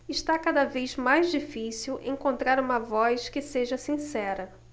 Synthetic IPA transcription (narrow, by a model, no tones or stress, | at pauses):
ɪʃt̪akad̪ɐvejzmajzd͡ʒifisiwḛ̃ŋkõnt̪ɾaɾũmɐvɔjskɪseʒɐsĩsɛɾɐ